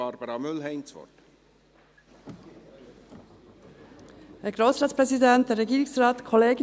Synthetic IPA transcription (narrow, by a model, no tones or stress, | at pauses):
ɑɾbəɾɑmʏlɦɛɪnsʋɔ̰t | heːɡʁoːsʁɑːspʁɛzidɛnt̚d̥ɛːɾʁɛɡiːʁɪŋsʁɑːtkʰɔleːɡ